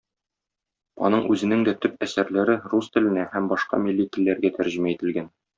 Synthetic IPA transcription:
ɒ̰nɤɴʉzɘ̆nɘŋd̪æt̪ɵp̚æsæɾlæɾɘrust̪ɘ̆lɘ̆næhæmbɒʃqɑ̰milʲːit̪ɘ̆lːæɾɡæt̪æɾʑɘ̆mæit̪ɘ̆lɡæn

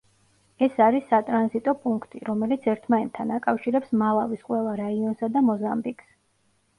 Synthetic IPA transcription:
ɛsaɾisːat̪ʼɾanzit̪ʼɔpʼuŋkʰt̪ʼiɾɔmɛlit̪sʰɛɾt̪ʰmaɛnt̪ʰːanakʼafʃiɾɛpsmalˠavisqʼwɛlˠaɾaiɔnsad̪amɔzambikʰs

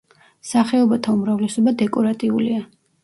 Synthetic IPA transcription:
saχɛɔbat̪ʰaumɾavlɛsɔbad̪ɛkʼɔɾat̪ʼiulia

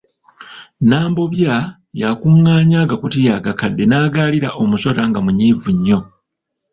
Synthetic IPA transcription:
naːmbo̞βja | jakuŋːaːɲaːɡakutijaɡakadːe̞naːɡaːliɾaʔo̞muso̞ɾaŋɡamuɲiːvuɲːo̞

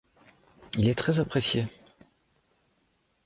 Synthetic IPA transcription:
ilɛt̪χɛzapχesje

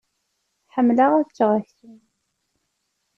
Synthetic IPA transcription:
θħəmːlaʁæt͡ʃːəʁæçθun

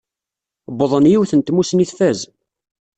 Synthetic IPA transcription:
bəðˤənjiwθənt̪musniθfæz

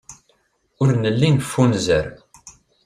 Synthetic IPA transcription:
ʊɾnəlːinfːunzəɾ

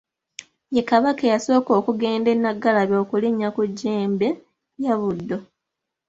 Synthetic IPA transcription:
jekaβakejaso̞ːko̞ːkuɡe̞ːnde̞nːaɡːalaβo̞ːkuliɲːakuɟːeːmbe | jaβudːo̞

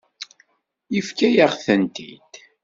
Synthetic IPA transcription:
jəfkæjəʁθənt̪ḭd̪̥

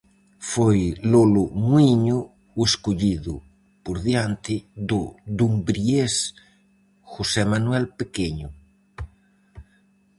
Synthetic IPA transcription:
fojlolomwiɲo | weskoʎiðʊ | poɾðjant̪ɪd̪od̪umbɾies | xosɛmanwɛlpekeɲʊ

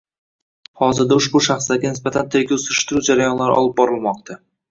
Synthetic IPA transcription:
hɒzɪɾd̪aʊʃbʊʃaχslaɾɡʲanɪsbat̪ʰant̪ʰeɾɡʲaʊsɾɪʃt̪ɪɾud͡ʒaɾajɒnlaɾɪɒ̰lˠɪp̚bɒɾɪlˠmɒq̚t̪ʰa

